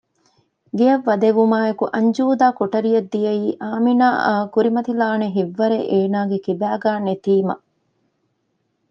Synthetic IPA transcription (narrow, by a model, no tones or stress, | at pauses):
ɡeɐʋːɐd̪eʋumaːekuʔɐɲd͡ʒuːd̪aːkoʈɐɾijɐd̪ːijɐiːʔaːminaːkuɾimɐt̪ilaːneɦiʋːɐɾeʔeːnaːɡekibæːɡaːnet̪iːmɐ̰